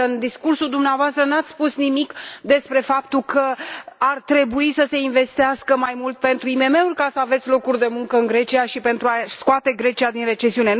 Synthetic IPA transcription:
ɨnd̪iskursuld̪umneavoast̪ɾənat̪sʲspusnimikd̪e̞spɾe̞fapt̪ukəart̪ɾe̞buisəse̞inve̞st̪iaskəmajmult̪̚pe̞nt̪ɾuime̞me̞urʲkasəavet̪sʲlo̞kurʲd̪e̞muŋkəɨnɡɾe̞t͡ʃiaʃipe̞nt̪ɾuaskoat̪e̞ɡɾe̞t͡ʃiad̪inre̞t͡ʃe̞siune̞

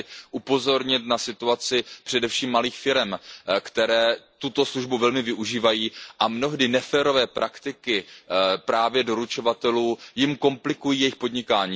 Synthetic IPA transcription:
ʔupo̞zo̞ɾɲɪt̪nasɪt̪uat͡sɪpr̥ɛdɛfʃiːmːaliːxfɪɾɛmkt̪ɛɾɛːt̪ut̪o̞sluʒbuvɛlmɪvɪʔuʒiːvajiːʔamno̞ɦdɪnɛfɛːɾo̞vɛːpɾʔakt̪ɪkɪpɾaːvjɛdo̞ɾut͡ʃo̞vat̪ɛluːjɪmko̞mplɪkujiːjɛjɪxpo̞dɲɪkaːɲiː

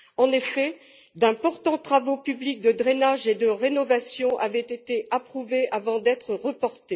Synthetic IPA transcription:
ɑ̃nefɛ | d̪ɛ̃pɔʁt̪ɑ̃t̪χavopyblik̚d̪əd̪ʁenaʒed̪əʁenɔvasjɔ̃ʔavɛt̪et̪eʔapχuveʔavɑ̃d̪ɛt̪χəʁəpɔʁt̪e

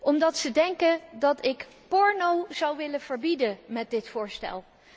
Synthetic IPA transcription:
ɔmdɑtsədɛŋkəndɑtɪk | pɔɹnowz̥ɑwʋɪləv̥əɹbidəmɛt̚dɪtfʊːɹstɛ̰lˠ

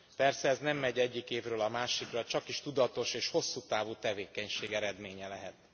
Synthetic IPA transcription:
pɛrsɛɛznɛmːɛɟɛɟːikeːvrøːlɒmaːʃikrɒt͡ʃɒkiʃt̪ud̪ɒt̪o̞ʃeːʃho̞sːuːt̪aːvuːt̪ɛveːkɛɲʃeːɡɛɾɛd̪meːɲɛlɛɦɛt̪

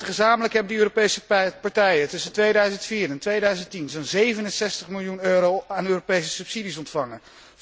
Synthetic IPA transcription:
əχəzaːmələkɦɛbədəøːropejsəpɑɹtɛjətɵsəntʋejdœɥzəntfiːɾɛntʋejdœɥzəntinzonzejvənənsɛstəχmɪlˠjunøːɾowaːnøːropejsəsɵpsidisɔntfɑŋə

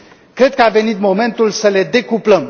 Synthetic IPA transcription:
kɾe̞d̪̚kəave̞nit̪mo̞me̞nt̪ulsəle̞d̪e̞kupləm

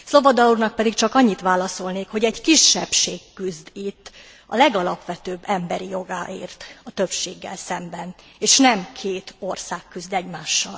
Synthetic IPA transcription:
slo̞vɒd̪ɒurnɒk̚pɛd̪ikt͡ʃɒkɒɲːit̪ʋaːlɒso̞lneːkho̞ɟɛɟkiʃːɛpʃeːkːyzd̪it̪ː | ɒ̰lɛɡɒlɒpʋɛt̪øːbːɛmbɛɾijo̞ɡaːʔḛːrt̪ɒt̪ø̞pʃeːɡːɛ̰lsɛmbɛneːʃnɛmkʰeːt̪o̞rsaːkːyzd̪ɛɟmaːʃːɒ̰l

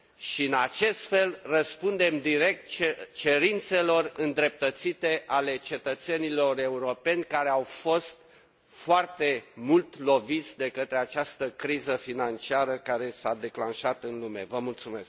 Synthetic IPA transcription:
ʃiɨnat͡ʃe̞st̪fe̞lrəspund̪e̞md̪iɾe̞k̚t̪̚t͡ʃt͡ʃe̞ɾint̪se̞lo̞rɨnd̪ɾe̞p̚t̪ət̪sit̪e̞ʔale̞t͡ʃe̞t̪ət̪se̞nilo̞re̞uɾo̞pe̞nʲkaɾe̞awfo̞st̪̚ | foart̪e̞mult̪lo̞vit̪sʲd̪e̞kət̪ɾe̞at͡ʃast̪əkɾizəfinant͡ʃiaɾəkaɾe̞sad̪e̞klanʃat̪ɨnlume̞̰vəmult̪sume̞sk̚

